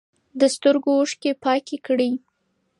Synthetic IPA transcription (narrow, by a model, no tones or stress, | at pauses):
d̪əst̪əɾɡoːʂkepɑkekɽi